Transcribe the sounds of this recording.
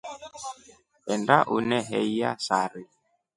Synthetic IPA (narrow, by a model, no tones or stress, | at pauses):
ɛndaʔunɛɦɛia̰saɾi